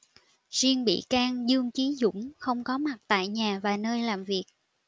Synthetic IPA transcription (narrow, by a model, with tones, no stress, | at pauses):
zi˧əŋɓḭ˧˨kaː˧ŋzɨ˧əŋt͡ɕi˨˦zʊ̰˧˥ŋ͡mxə˧wŋ͡mkɔ˨˦ma˨˩t̚t̪a̰ː˧˨jɲaː˨˩vaː˨˩nəː˧jlaː˨˩mvi˨˩ək̚